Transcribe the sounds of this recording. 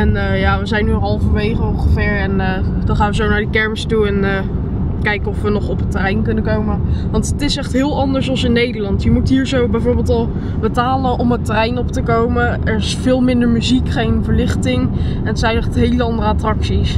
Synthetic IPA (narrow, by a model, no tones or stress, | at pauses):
ɛnəjaːʋəzɛjnːyɑlˠvənʋejχəɔŋχəvɪːɹɛnəd̥ɑnχaːnʋəzownaːɹdəkɛɹməstuɛnə | kɛjkəɔfʋənɔχɔpətːərɛjnkɵnəkowməʋɑntətɪsɛχtɦɪːlˠɑndəɹsɑlˠsɪnːejdəɹlɑntjəmutɦiːɹzowbɛjvoːɹbɪːlˠtɑlˠ | bətaːlənʔɔmətərɛjnɔptəkowməʔɛɹɪsfɪːlˠmɪndəɹmyzikχejnvəɹlɪχtɪŋ | ɛnətsɛjnɛχtɦejləɑndərəatrɑksis